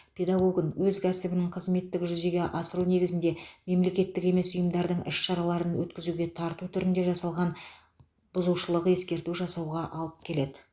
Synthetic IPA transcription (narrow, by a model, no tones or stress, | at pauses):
pʲʰe̞d̪ɑɡoɡənwɵzkʲʰæsɪbɪnɪŋqʰəzme̞t̪ːɪkʒʏze̞ɡʲe̞ʔɑsəɾune̞ɡʲɪzɪnd̪e̞me̞mle̞kʲe̞t̪ːɪke̞me̞sʊjəmd̪ɑɾd̪əɴʔɪʃʃɑɾɑlˠɑɾənwɵt̪kʲɪzuɡʲe̞t̪ʰɑɾt̪ut̪ʰʏɾɪnd̪e̞ʒɑsɑlˠʁɑn | b̥ʊzuʃəlˠəʁe̞skʲe̞ɾt̪uʒɑsɑwʁɑʔɑlˠəpkʲʰe̞le̞d̪ɪ